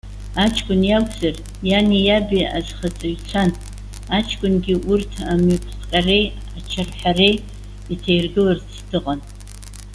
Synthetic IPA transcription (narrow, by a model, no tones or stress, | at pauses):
at͡ʃʰkʷʼʊnjakʷʰʼzar | janijabia̰zʼχat͡sʼaɥt͡sʷʰan | at͡ʃʰkʷʼʊnɡʲiʔurtʰamypʰχqʲʼarej | at͡ʃʰarħarej | itʰejrɡɨlartstʰɨqʼan